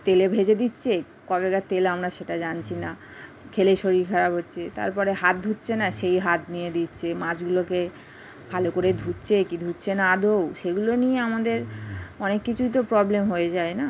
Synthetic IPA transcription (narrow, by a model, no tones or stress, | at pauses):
t̪elebʱed͡ʑed̪itːɕʰe | kɔbekat̪elamɾaʃeʈad͡ʑant͡ɕʰina | kʰeleʃoɾiɾkʰaɾabɦotːɕʰet̪a̰ɾpɔɾeɦat̪̚d̪ʱutːɕʰenaʃejɦat̪nijed̪itːɕʰemãd͡ʑɡuloke | bʱalokoɾed̪ʱutːɕʰekid̪ʱutːɕʰenad̪ʱowʃeɡulonijeamad̪eɾɔnekːit͡ɕʰuit̪̬opɾɔblemɦoed͡ʑaena